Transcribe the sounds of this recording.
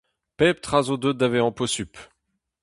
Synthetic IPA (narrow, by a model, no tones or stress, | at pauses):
pɛp̚t̪χazod̪ød̪avɛɑ̃pɔsyp